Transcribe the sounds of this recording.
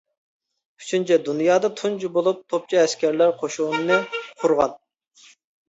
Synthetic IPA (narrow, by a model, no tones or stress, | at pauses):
y̥t͡ʃʰynt͡ʃʰɛd̪unjɑːd̪ɑt̪ʰund͡ʒubolˠup̚t̪ʰop̚t͡ʃʰɑɛskʲæɾlæɾqʰoʃunnɨqʰʊɾʁɑn